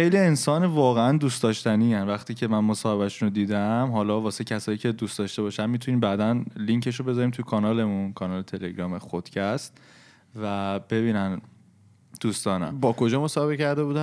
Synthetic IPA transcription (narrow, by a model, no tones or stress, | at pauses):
xejlie̞nsɒːnevɒːɣeænd̪uːst̪ɒːʃt̪æniːænvæχt̪ʰiːcʰe̞mænmosɒːhe̞βæʃunod̪iːd̪æmɦɒːlɒːbɒːse̞cʰæsɒːjiːcʰe̞d̪uːst̪ɒːʃt̪e̞βɒːʃænmit̪ʰuniːmbæːd̪ænliŋcʰe̞ʃ̬obe̞zɒːɾiːmt̪ʰujekʰɒnɒːle̞munkʰɒnɒːlet̪ʰe̞leɡɾɒːmexod̪̥cʰæst̪ | væb̥e̞βiːnæn | d̪̥uːst̪ɒːnæ̰mbɒːko̞d͡ʒɒːmosɒːhe̞βecʰæɾd̪e̞buːd̪æ